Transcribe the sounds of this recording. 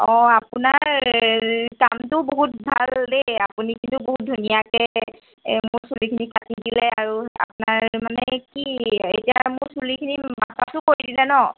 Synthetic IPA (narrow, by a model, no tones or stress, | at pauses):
ɔ̃apʊnaɹ | kamtʊboɦut̚bʱa̰ldeapunikintʊboɦut̚dʱunijakɛ | mʊɹsulikʰinikʰatidilɛaɹua̰pʊnaɹmanɛkietijamʊɹsulikʰinimasasʊkoɹidilɛnɔ